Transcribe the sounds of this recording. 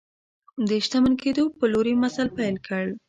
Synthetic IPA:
d̪əʃt̪amənked̪opəloɾemasalpajlkʰəɽ

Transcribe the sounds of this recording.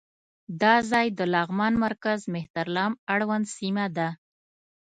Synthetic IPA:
d̪ɑzɑjd̪əlɑɣmɑnmaɾkazmɪht̪aɾlɑmaɽwand̪simad̪a

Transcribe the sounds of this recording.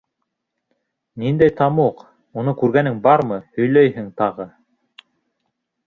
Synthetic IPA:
nind̪æjt̪ɑmuq | unɤkʉɾɡænɘŋbɑɾmɤhɵ̆jlæjhɘŋt̪ɑʁɤ

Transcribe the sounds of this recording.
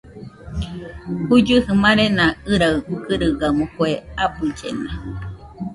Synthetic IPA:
hud͡ʒɨhɨmaɾenãɨɾaɨkɨɾɨɡamukweapɨd͡ʒḛna

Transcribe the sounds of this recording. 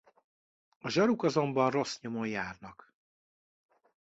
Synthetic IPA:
ɒʒɒɾukɒzo̞mbɒnro̞sɲomojjaːrnɒk

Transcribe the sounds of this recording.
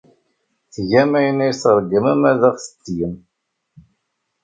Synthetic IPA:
θʝæmæjənːæjsɾˤəɡːəmæmæðæʁθə̥t͡sːijəm

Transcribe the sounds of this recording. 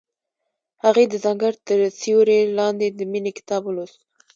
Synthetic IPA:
haɣed̪əzaŋɡaɾt̪əɾsiwɾelɑnd̪ed̪əminekɪ̥t̪ɑblos

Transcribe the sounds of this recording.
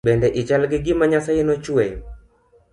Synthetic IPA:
bɛndɛʔɪt͡ʃalɡɪɡɪmaɲasajɪnɔt͡ʃwɛj

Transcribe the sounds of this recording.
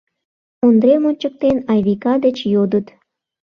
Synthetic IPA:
ond̪ɾemonʲt͡ɕək̚t̪enɑjβikɑd̪et͡ɕjod̪ə̆t̪

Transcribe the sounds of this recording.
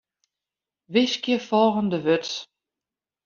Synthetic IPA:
ʋɪskjəfɔlˠɣəndəʋøt

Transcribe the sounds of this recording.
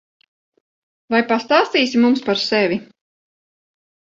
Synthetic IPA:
vajpast̪aːst̪iːsimumspaɾsɛvʲi

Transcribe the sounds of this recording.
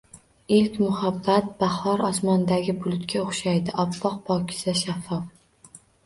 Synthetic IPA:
ɪlkʲmʊhabːat̪̚bahɒɾɒsmɒnd̪aɡʲɪbʊlˠʊt̪kʲʰaoχʃajd̪ɪʔɒpʰːɒq̚pʰɒkʲʰɪ̥saʃafːɒf

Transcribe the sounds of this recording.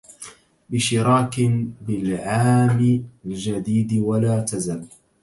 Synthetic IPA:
bɪʃɪɾɑːkbɪlʕaːmɪald͡ʒad̪iːd̪walaːt̪azal

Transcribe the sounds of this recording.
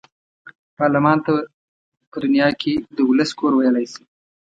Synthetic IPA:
pɑɾlɪmɑnt̪a | pəd̪ʊnjɑkʰed̪əwʊləskoɾwajəlajsi̥

